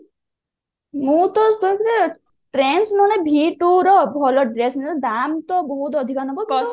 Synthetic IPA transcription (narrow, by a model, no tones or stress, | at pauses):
mũt̪ɔokiɾe | ʈɾensnɔɽ̃ebʱiʈuɾɔbʱɔlɔɖɾesmẽd̪amt̪ɔbɔɦut̪ɔd̪ʱikanɔbɔt̪